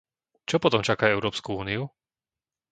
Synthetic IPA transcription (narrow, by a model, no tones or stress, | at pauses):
t͡ʃɔpɔt̪ɔmt͡ʃakaːɛʊɾɔːpskuuːniu